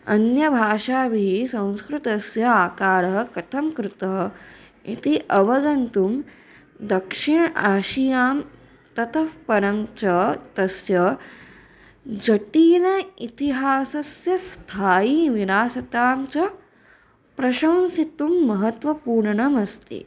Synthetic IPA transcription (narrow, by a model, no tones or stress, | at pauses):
ɐ̰njɐbʱaːʃaːbʱiisɐ̃w̃skɾut̪ɐsjɐaːkaːɾɐɦɐkɐt̪ʰɐmkɾut̪ɐɦɐ | ḭt̪iʔɐʋɐɡɐnt̪um | d̪ɐkʂiɳʔaːʃijaːm | t̪ɐt̪ʰɐfpɐɾɐmt͡ʃɐt̪ɐsjɐ | d͡ʒɐʈiːlɐit̪iɦaːsɐsjɐst̪ʰaːjiʋiɾaːsɐt̪aːmt͡ʃɐ | pɾɐʃɐ̃wnsit̪umːɐɦɐt̪ʋɐpuːɾɾɳɐmɐst̪ḭ